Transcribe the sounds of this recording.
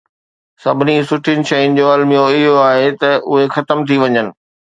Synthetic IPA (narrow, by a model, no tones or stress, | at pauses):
sɐbʱɪnisʊʈʰinɪ̆ʃɐjnɪ̆d͡ʑoɐlmijoɪɦoaːɦet̪ɐʔʊɦexɐt̪əmt̪ʰiʋɐɲənɪ̆